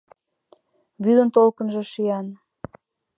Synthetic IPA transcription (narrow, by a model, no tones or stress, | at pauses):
βyd̪ənt̪olkə̆nʒɤ̆ʃiɑn